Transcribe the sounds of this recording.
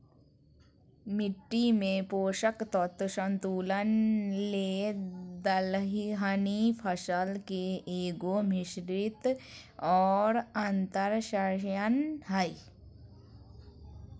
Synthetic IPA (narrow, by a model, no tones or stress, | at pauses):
mɪʈːimẽpoːʃəkt̪ɔt̪ːʃə̃nt̪uːlənled̪əlɦiɦənipʰəsəlkeeːɡomɪʃɾɪt̪ɔːɾə̃nt̪əɾʃajənɦɐi